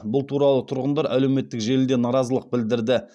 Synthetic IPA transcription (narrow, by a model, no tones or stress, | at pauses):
bʊlˠt̪ʰuɾɑlˠət̪ʰʊɾʁənd̪ɑɾʔæ̰le̞wme̞t̪ːɪkʒe̞lɪld̪e̞nɑɾɑzəlˠəq̚bɪld̪ɪɾd̪ɪ